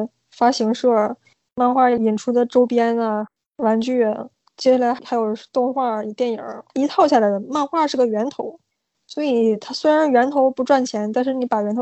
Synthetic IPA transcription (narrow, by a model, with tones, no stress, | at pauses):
fa˥ɕi˧˥ŋʂɤ˥˩ | ma˥˧xwa˥˩i˨˩nʈ͡ʂʰu˥d̪ə˨ʈ͡ʂo˥ʊpjɛ˥nɐ˧ | wa˧˥nt͡ɕy˥˩ə˧˩n | t͡ɕjɛ˥ɕa˥˩la˧˥ɪ˥xa˧˥jo˨˩ʊt̪ʊ˥˧ŋxwa˥˩i˨˩t̪jɛ˥˩njə̰˨˩˦i˧˥t̪ʰɑ˥˧ʊɕja˥˩la˩ɻə˧˥nma˥˧nxwa˥˧ʂɻ̩˥˩ɡə˩ɥɛ˧˥nt̪ʰo˧˥ʊ | swɔ˧˥i˨˩t̪ʰa˥swe˥ɪɻa˧˥nɥɛ˧˥nt̪ʰo˧˥ʊpu˧˥ʈ͡ʂwa˥˩nt͡ɕʰjɛ˧˥nt̪a˥˧nʂ̬ɻ̩˥˩ni˧˥pa˨˩ɥɛ˧˥nt̪ʰ